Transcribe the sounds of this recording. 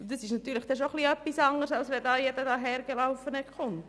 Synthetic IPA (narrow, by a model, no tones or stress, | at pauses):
d̥̪əsɪʃnɑt̪yːɾləχd̪ɛʃoχliœpːisɑŋəɾsɑlsʋɛdɑːjɛd̪ədɑːɦɛːɾɡelaʊfənəχʊnt